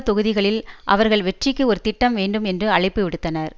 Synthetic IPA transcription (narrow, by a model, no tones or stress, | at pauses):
t̪ɔɣɯðɪɣɐɭɪlʔɐ̰ʋɐɾɣɐɭʋɛʈrɪkːɯɔɾɯt̪ɪʈːɐmʋeːɳɖɯmɛndrɯɐɭɪpːɯʋɪɽɯt̪ːɐnɐɾ